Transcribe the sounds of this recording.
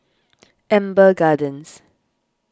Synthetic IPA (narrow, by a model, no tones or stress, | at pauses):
ɛ̃mbəɡadə̃ns